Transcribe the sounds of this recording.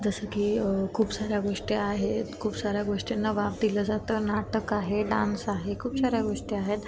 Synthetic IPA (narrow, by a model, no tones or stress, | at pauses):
d͡zəsəkiːkʰuːpsaɾjaɡoʂʈiaɦet̪kʰuːpsaɾjaɡoʂʈinːaʋap̚d̪iləːd͡zat̪əːnaʈəkaɦeɖãnsaɦekʰuːpsaɾjaɡoʂʈiaɦet̪